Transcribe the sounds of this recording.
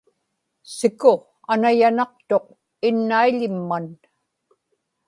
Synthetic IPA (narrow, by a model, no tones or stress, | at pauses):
sɪkʊ | anajanɑq̚t̪o̞q̚ | ɪnːaiʎɪmːan